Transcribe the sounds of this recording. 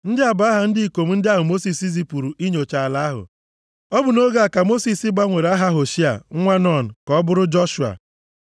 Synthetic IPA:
n̩˦dɪ˦a˨ba˦ɦa˨n̩˦dɪ˦i˨ko˨m̩˦n̩˦dɪ˦a˦ɦʊ˨mo˦si˨si˦s̬i˦pu˨ɾu˨ʔi˦ɲo˨t͡ʃa˨a˨la˦ɦʊ̰˨ | ɔ˦bʊ˨no˦ɡa˦a˨ka˨mo˦si˨sɪ˦ɡ͡ba˦ŋʷe˨ɾa˦ɦa˦ɦo˨ʃi˦a̰˨ŋ̩˦ŋʷa˦nɔ˦˨n̩˨kɔ˦bʊ˦ɾʊ˦d͡ʒɔ˦ʃu˨a̰˨

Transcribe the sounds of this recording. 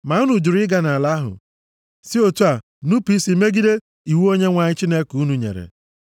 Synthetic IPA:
ma˨˦u˦nu˨d͡ʒu˨ɾi˦ɡa˦na˨la˦ɦʊ̰˨ | si˦o˨tu˦a˨ | nu˦pi˦si˨˦me˦ɡi˦de˦ | i˨wu˦o˦ɲe˦ŋʷa˨ɲɪ˦t͡ʃi˦ne˦ku˦nu˨ɲḛ˨ɾḛ˨

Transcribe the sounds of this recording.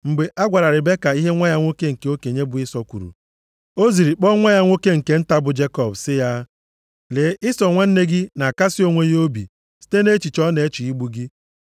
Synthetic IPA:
ŋ͡m̩˨ɡ͡be˨ʔa˦ɡʷa˨ɾa˨ɾɪ˨be˦ka˨i˦ɦe˦ŋʷa˦ja˦ŋʷo˦ke˦ŋ̩˨ke˨o˦ke˨ɲe˦bʊ˨ɪ˦sɔ˦kʷṵ˨ɾṵ˨ | o˦zi˨ɾi˨k͡pɔ˦ŋʷa˦ja˦ŋʷo˦ke˦ŋ̩˨ke˨n̩˦ta˦bʊ˨d͡ʒe˦kɔ˦bsɪ˦ja˦ | le˨˦ɪ˦sɔ˨ŋʷa˦n̩˦ne˦ɡɪ˦na˨a˨ka˦sɪ˦o˦ŋʷe˦jo˦bḭ˨ | si̥˦te˦ne˦t͡ʃi˨t͡ʃɔ˦ne˨˦t͡ʃi˨i˦ɡ͡bu˦ɡi˦

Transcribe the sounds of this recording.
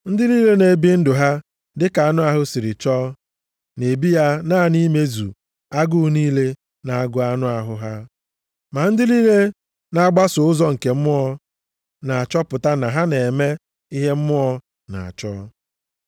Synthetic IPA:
n̩˦dɪ˦liː˦le˦ne˨˦bi˦n̩˦dʊ˨ɦa˦ | dɪ˦ka˨a˦˨nʊ˦a˦ɦʊ˦si˨ɾɪ˨t͡ʃɔː˦ | ne˨bi˦ja˦naː˦˨ni˦me˦zṵ˨ | a˦ɡʊ˦niː˦le˦ | na˨a˨ɡʊ˦a˦nʊ˦a˨ɦʊ˨ɦa˦ | ma˨n̩˦dɪ˦li˦le˦ | na˦a˦ɡ͡ba˦sʊ˨ʊ˦zɔ˦ŋ̩˨ke˨m̩˦mʊ˦ɔ˦ | na˨a˨t͡ʃɔ˦pʊ˨ta˦na˨ɦa˦ne˨me˦ | i˦ɦe˦m̩˦mʊ˦ɔ˦ | na̰˨a̰˨t͡ʃɔ˦

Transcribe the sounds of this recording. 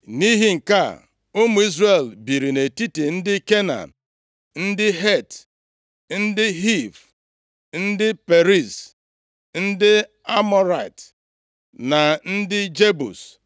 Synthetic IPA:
ni˦ɦi˦ŋ̩˨ka̰˦ | o˦mu˨i˦zre˨lbi˨ɾi˨ne˨ti˦ti˨n̩˦dɪ˦ke˦na̰˨n˨ | n̩˦dɪ˦ɦe˦˨t | n̩˦dɪ˦ɦi˦˨v | n̩˦dɪ˦pe˨ɾi˦˨s | n̩˦dɪ˦ | a˦mɔ˦ɾa˨ɪ˨t | na˨n̩˦dɪ˦d͡ʒe˦bṵ˨s

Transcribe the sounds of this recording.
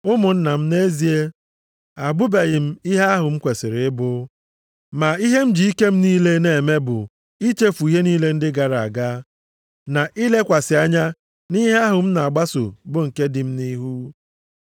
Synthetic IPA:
ʊ˦mʊ˨n̩˦na˨m̩˦ne˦zi˨˦e˦ | a˨ɡ͡bʊ˦be˨ɣɪ˨m̩˦i˦ɦe˦a˦ɦʊ˨m̩˦kʷe˨sɪ˨ɾɪ˨ɪ˦bʊ˦ | ma˨i˦ɦe˦m̩˦d͡ʒi˨i˦ke˦m̩˦niː˦le˦ne˨me˦bʊ˨ | i˦t͡ʃe˦fu˨i˦ɦe˦niː˦le˦n̩˦dɪ˦ɡa˨ɾa˨a˨ɡa˦ | na˨ʔi˦le˦kʷa˨sɪ˨a˦ɲa˦ | ni˦ɦe˦a˦ɦʊ˨m̩˦na˨a˨ɡ͡ba˦sʊ̰˨bʊ˨ŋ̩˨ke˦dɪ˨m̩˦ni˦ɦu˦

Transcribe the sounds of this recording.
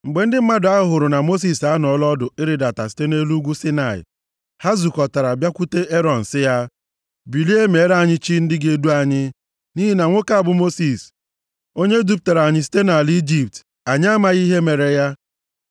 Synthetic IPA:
ŋ͡m̩˨ɡ͡be˨n̩˦dɪ˦m̩˦ma˦dʊ˨˦a˦ʊ˦ɦʊ˨ɾʊ˨na˨mo˦s̬i˦sa˦n˨ɔ˨˦lɔ˦dʊ˨ɪ˦ɾɪ˨da˨ta˨si̥˦te˦ne˦lu˦ɡʷu˦si˦na˨ɪ̰˨ | ha˦zu˨kɔ˨ta˨ɾa˨bja˦kʷu˦te˦e˦ɾɔ˨n̩˨sɪ˦ja˦ | bi˨li˦e˦me˨˦ɾa˦˨ɲɪ˦t͡ʃi˦n̩˦dɪ˦ɡe˦du˦a˦ɲɪ˦ | ni˦ɦi˦na˨ŋʷo˦ka˦a˨bʊ˨mo˦si˨s | o˦ɲe˦du˦p̚ta˨ɾa˨ɲɪ˦s̬i̥˦te˦na˨li˦d͡ʒi˦p̚t | a˨ɲɪ˦a˦ma˨ɣi˦ɦe˦me˨ɾe˨ja˦

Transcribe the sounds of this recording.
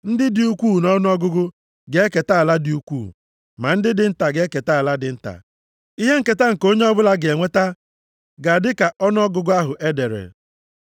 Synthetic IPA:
n̩˦dɪ˦dɪ˨u˦kʷuː˦˨nɔ˦n˦ɔ˦ɡʊ˦ɡʊ˦ | ɡe˨˦e˦ke˨ta˦a˨la˦di˨u˦kʷṵː˦˨ | ma˨n̩˦dɪ˦dɪ˨n̩˦ta˨ɡe˨˦e˦ke˨ta˦a˨la˦dɪ˨n̩˦ta̰˨ | i˦ɦe˦ŋ̩˦ke˨ta˦ŋ̩˨ko˦ɲe˦ɔ˦bʊ˦la˦ɡe˨ŋʷe˦ta˦ | ɡa˨dɪ˦ka˨ʔɔ˦n˦ɔ˦ɡʊ˨ɡʊ˦a˦ɦʊ˨ʔe˦de˨ɾḛ˨

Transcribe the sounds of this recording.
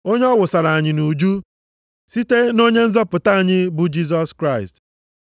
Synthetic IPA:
o˦ɲe˦ɔ˦wʊ˨sa˨ɾa˨a˨ɲɪ˨nu˨d͡ʒu˦ | si˦te˦no˦ɲe˦n̩˦zɔ˦pʊ˨ta˦a˨ɲɪ˦bʊ˨d͡ʒi˦s̬ɔ˦skɾa˦ɪ˨st

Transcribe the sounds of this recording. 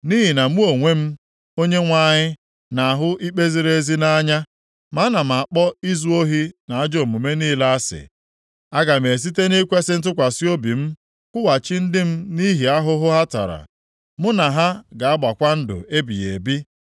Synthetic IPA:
ni˦ɦi˨na˨mu˦o˨ŋʷe˦m̩˦ | o˦ɲe˦ŋʷa˦˨ɲɪ˦ | na˨a˨ɦʊ˦ʔi˦k͡pe˦zi˦ɾe˦e˦zi˦na˦ɲa˦ | ma˨˦na˨m̩˨a˨k͡pɔ˦i˦zu˦o˦ɦi˦na˨a˦d͡ʒo˦˨mu˨me˦niː˦la˦a˦sɪ̰˨ | a˦ɡa˨me˨s̬i˦te˦ni˦kʷe˦sɪ˦n̩˦t̬ʊ˦kʷa˨si˦o˦bi˨m̩˦ | kʷʊ˦wa˨t͡ʃi˦n̩˦dɪ˦m̩˦ni˦ɦi˨a˦ɦʊ˦ɦʊ˦ɦa˦ta̰˨ɾa̰˨ | mʊ˦na˨ɦa˦ɡa˨a˦ba˨kʷa˦n̩˦dʊ̰˨e˦bi˨jḛ˨bi˦

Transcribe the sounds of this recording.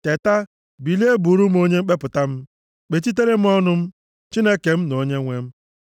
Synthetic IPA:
te˨ta˦ | bi˨li˦e˦bu˨ɾu˦m̩˦o˦ɲe˦ŋ͡m̩˦k͡pe˦pʊ˨ta˦m̩˦ | k͡pe˨t͡ʃi˦t̬e˦ɾe˦m̩˦ɔ˦nʊ˦m̩˦ | t͡ʃi˦ne˦ke˨m̩˦no˨ɲe˦ŋʷe˦m̩˦

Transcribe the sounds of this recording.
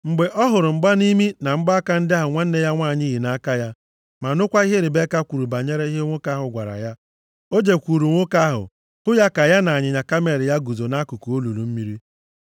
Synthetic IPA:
ŋ͡m̩˨ɡ͡be˨ʔɔ˦ɦʊ˨ɾʊ˨m̩˨ɡ͡ba˦ni˦mi˦na˨m̩˦ɡ͡ba˦a˦ka˦n̩˦dɪ˦a˦ɦʊ˨ŋʷa˦n̩˦ne˦ja˦ŋʷa˦˨ɲɪ˦ɦi˨na˨a˦ka˦ja˦ | ma˨nʊ˦kʷa˦i˦ɦe˦ɾɪ˨be˦ka˦kʷu˨ɾu˨ba˨ɲe˦ɾe˦i˦ɦe˦ŋʷo˦ka˦ɦʊ˨ɡʷa̰˨ɾa̰˨ja˦ | o˦d͡ʒe˨kʷu˨ɾu˨ŋʷo˦ka˦ɦʊ̰˨ | hʊ˦ja˦ka˨ja˦na˨a˨ɲɪ˨ɲa˨ka˦me˨ɾɪ˨ja˦ɡu˨zo˨na˦ku˨ku˨o˦lu˨lu˨m̩˦mi˦ɾi˦

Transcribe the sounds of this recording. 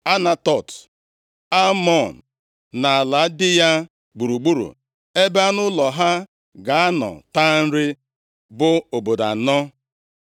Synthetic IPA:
a˦na˨tɔ˨t | a˦mɔ˦˨n̩˨ | na˨a˨la˨˦dɪ˦ja˦ | ɡ͡bu˨ɾu˨ɡ͡bu˦ɾṵ˨ | e˦be˦a˦nʊ˦lɔ˨ɦa˦ | ɡa˨a˦nɔ̰˨ta˦n̩˦ɾɪ˦ | bʊ˦o˨bo˨da̰˨nɔ˦

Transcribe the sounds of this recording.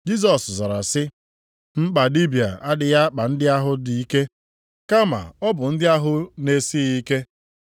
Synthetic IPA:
d͡ʒi˦s̬ɔ˨szɔ˨ɾa˨sɪ˦ | m̩˦k͡pa˨li˦bi˨a̰˨a˦dɪ˨ja˦k͡pa˨n̩˦dɪ˦a˦ɦʊ˦di˨i˦ke˦ | ka˦ma̰˨ɔ˦bʊ˨n̩˦dɪ˦a˦ɦʊ˦ne˦si˦i˦ke˦

